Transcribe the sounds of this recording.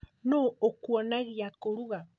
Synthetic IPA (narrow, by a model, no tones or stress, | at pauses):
nookwanaɣiakoɾuɣa